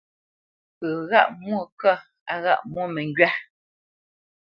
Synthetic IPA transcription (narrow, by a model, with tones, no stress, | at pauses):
pə˨ɣa̰˦˨ʔmwo˦˨kə˦ | a˨ɣa̰˦ʔmwo˦˨mɛ˨ŋ˦ɡɥa˦